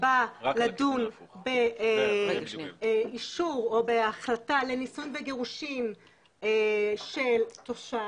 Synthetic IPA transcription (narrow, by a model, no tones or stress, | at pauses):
baladunbe | iʃuʁo̞beaχlatale̞nisunveɡe̞ʁuʃim | eʃeltoʃa